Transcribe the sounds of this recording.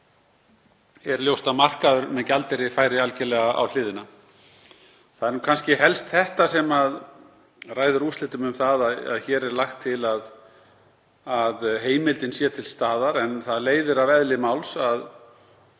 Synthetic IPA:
ɛɾljowst̪amar̥kaðʏɾmɛðcalt̪ɪɾɪfaːjɾɪalcɛlɛɣaa̰wlɪːðɪna | θaðɛɾnuːkʰanscɪɦɛlst̪θɛht̪asɛmað | raːjðʏɾust̪lɪht̪ʏmʏmθaðaða̰ðçɛːɾɛɾlaxt̪ʰːɪlað | aðɦeːjmɪlt̪ɪnsjɛt̪ʰɪlst̪aːðaɾɛnθaðleːjðʏɾavɛðlɪmawlsað

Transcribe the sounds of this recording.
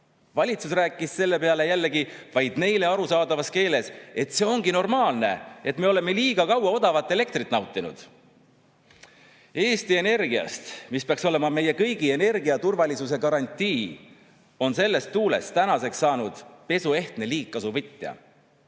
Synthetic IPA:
vɑlʲit̪susræːkːˑisse̞lːe̞pe̞ɑle̞jælːeɡivɑjd̪̥ne̞jleɑɾusɑːd̪ɑvɑske̞ːle̞se̞t̪ːˑse̞o̞ŋɡino̞rmɑːlne̞̰e̞t̪ːˑme̞o̞le̞me̞liːɡ̥ɑkɑwɑo̞d̪ɑvɑt̪ːˑe̞le̞k̚t̪rit̪ːˑnɑwt̪ːˑinṵd̪̥ | e̞ːst̪ie̞ne̞rɡiɑ̰st̪mispeɑkso̞le̞mɑme̞je̞kɤjɡ̥ie̞ne̞rɡiɑt̪urvɑlʲisus̬e̞kɑɾɑnʲt̪ʲːiː | o̞nse̞lːe̞st̪ːuːle̞̰st̪ænɑse̞ksːɑːnud̪̥pe̞sue̞ht̪ne̞liːkːɑsuvɯt̪ʲːˑjɑ̰

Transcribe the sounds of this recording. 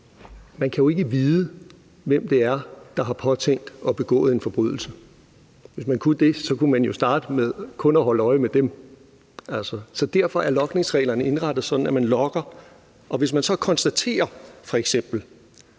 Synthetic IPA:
mænkʰæjo̝e̝ɡ̥əʋiːðˠə | ʋem̰d̥e̝æɐd̥ɑ̈ɦɑ̈pʰɒ̽t͡sʰeːn̰d̥ɒ̽b̥e̝ɡ̥ɔ̰̽ːð̩ˠe̝nfɒ̽b̥ʁy̰ð̞ˠl̩sə | ʋe̝smænkʰud̥e̝sɒ̽kumænjo̝sd̥ɑ̈ːd̥əmeðˠkʰɔ̽nɒɦɒ̽ləɒ̽ɪmed̥em | ʔæl̰sɒsɒ̽d̥æɐ̰fɒ̽ʔæɐlɒ̽ɡ̥ne̝ŋsʁɛ̰ːlɐnəe̝nʁɑ̈d̥ð̩ˠsɒ̽d̥n̩æmænlɒ̽ɡ̥ɐ | ʔɒ̽ʋe̝s̬mænsɒ̽kʰɒ̽nsd̥æt͡sʰe̝̰ːɐfɒ̽eɡ̥sem̰b̥l̩

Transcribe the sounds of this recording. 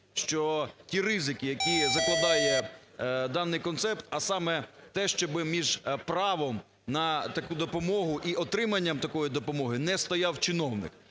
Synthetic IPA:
ʃt͡ʃɔtʲiɾɪzɪkʲijɐkʲizɐklˠɐd̪ɑjɛ | d̪ɑnːɪjkɔnt̪sɛpt̪ɐsɑmɛt̪ɛʃt͡ʃɔbɪmʲiʒpɾɑʋɔm | nɐt̪ɐkud̪ɔpɔmɔɦʊʔiʔɔt̪ɾɪmɐnʲːɐmt̪ɐkɔjid̪ɔpɔmɔɦɪnɛst̪ɔjɑwt͡ʃɪnɔwnɪ̰k

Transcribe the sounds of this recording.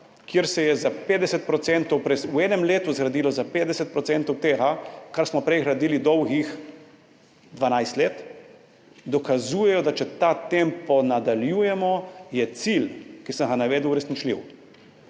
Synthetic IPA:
kjeɾsɛjɛzapeːd̪ɛsɛt̪̚pɾɔt̪sɛnt̪ɔwpɾɛsuɛːnɛmleːt̪uzɡɾad̪iːlɔzapeːd̪ɛsɛt̪̚pɾɔsɛnt̪ɔwt̪eːɦakaɾsmɔpɾɛjxɾad̪iːlid̪ɔwɡix | d̪ʋanajst̪leːt̪ | d̪ɔkazuːjɛjɔd̪at͡ʃɛt̪at̪empɔnad̪aljuːjɛmɔjɛt̪silkisəŋɡanaʋeːd̪uwɾɛsnit͡ʃlḭw

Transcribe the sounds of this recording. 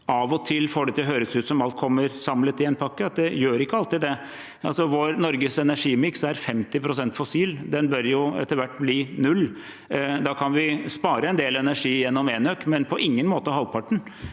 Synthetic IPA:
ɑʋɔt̪ʰɪlːfoːɖɛt̪ʰɪɦøːɾəsʉːt̪sɔmɑlt̪̚kʰɔmːəɾsɑmlət̪ɪɛnpʰɑkːəɑt̪̚d̪ɛjøːɾɪkːəɑlt̪ɪd̪d̪ɛ | ɑlsɔʋoːɾnɔɾɡəsɛnæʂiːmɪksæɾfɛmt̪ɪpʰɾʊsɛnt̪fɔsiːld̪ɛnbœɾjʊɛ̰t̪ːəɾʋæʈːbliːnʉlː | d̪ɑːkʰɑnʋɪspɑːɾəɛnd̪eːlɛnæʂiːjɛnːɔmeːnøkːmɛnpʰɔʔɪŋːənmoːt̪əɦɑlpʰɑʈːɳ̩

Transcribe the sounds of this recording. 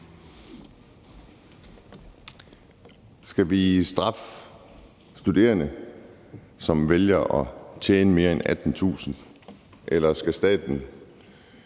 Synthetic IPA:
sɡ̥æʋisd̥ʁɑ̈f | sd̥ud̥e̝̰ːɐnə | sɒ̽mʋeljɐʔɒ̽t͡ɕʰjeːnəme̝ːɐenæd̥n̩t͡sʰṵːsn̩ | ʔelɐsɡ̥æsd̥ɛ̰ːd̥n̩

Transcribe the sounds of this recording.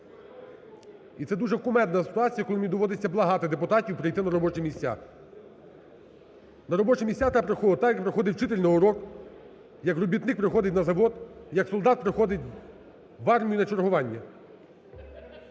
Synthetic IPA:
it̪ɛd̪uʒɛkʊmɛnd̪nɐsɪ̥t̪ʊɑt͡sʲijɐkɔlˠɪmnʲid̪ɔʋɔd̪et͡sʲːɐblˠɐɦɑt̪ɪd̪epʊt̪ɑtʲiwpɾɪjt̪ɪnɐɾɔbɔt͡ʃɛmʲisʲtʲːa̰ | nɐɾɔbɔt͡ʃɛmʲisʲat̪ɛpɾexɔt̪ɑjɐk̚pɾɔxɔd̪ɪwt͡ʃɪt̪elʲnɪʊɾɔk | jɐkrɔbʲit̪nɪk̚pɾɪxɔd̪ɪtʲnɐzɐʋɔd̪jɐksɔlˠd̪ɑt̪̚pɾɪxɔd̪ɪt̚ʲ | ʋɑrmʲijʊnɐt͡ʃɔrɦʊʋɑnʲːɐ

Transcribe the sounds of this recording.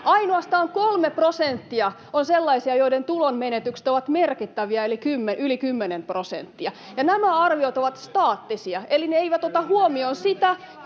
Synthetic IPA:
ɑinoɑst̪ɑːŋkolmeprosent̪ːiɑ | onselːɑisiɑjoident̪ulonmenet̪yksĕ̥t̪oʋɑt̪merkit̪ːæʋiɑelikymːeʔylikymːenemprosḛnt̪ːiɑ | jɑnæmæɑrʋiot̪oʋɑt̪st̪ɑːt̪ːisiɑelineeiʋæt̪ot̪ɑhuomionsit̪æ

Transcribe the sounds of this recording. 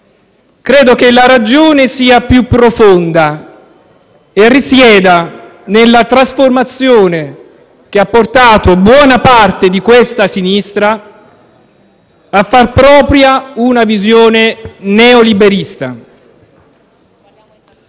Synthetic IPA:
kɾeːd̪okelaɾad͡ʒoːnesiːapjupːɾofond̪a | erːisjɛːd̪anelːat̪ɾasformat̪sːjoːne | k̟eapːort̪aːt̪obwɔːnapart̪ed̪ikwest̪asinist̪ɾa | fːarpɾɔːpɾjaunavizjoːnenɛolibeɾist̪a̰

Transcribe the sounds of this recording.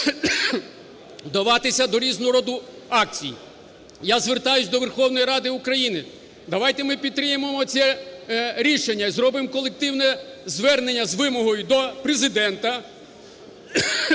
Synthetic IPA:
wd̪ɐʋɑt̪ɪsʲɐd̪ɔɾʲiznʊɾɔd̪ʊ | ɑk̚t͡sʲḭj | jazʋert̪ɑjʊsʲd̪ɔʋerxɔwnɔjiɾɑd̪ɪukɾɐjinɪ | d̪ɐʋɑjt̪emɪpʲid̪̚t̪ɾɪjememɔt͡sʲsʲɛ | ɾʲiʃenʲːɐzɾɔbɪmkɔlˠek̚t̪ɪwnɛzʋɛrne̞nʲːɐzʋɪmɔɦɔjʊd̪ɔpɾezɪd̪ɛnt̪ɐ

